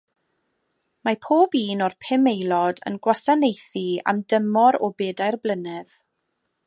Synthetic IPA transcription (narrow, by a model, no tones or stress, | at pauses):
mapʰoːbiːnɔrpʰɪmejlˠɔdə̰nɡwasanejθia̰mdəmɔɾɔbeːdajrblˠənɪð̥